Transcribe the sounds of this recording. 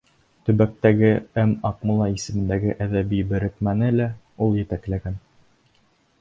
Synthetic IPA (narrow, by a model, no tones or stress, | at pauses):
t̪ɵ̆βæk̚t̪æɡɘæmɑqmulˠɑisɘ̆mɘ̆nd̪æɡɘʔæðæβibɘ̆ɾɘ̆kmænɘlæ | ulˠjɘ̆t̪æklæɡæn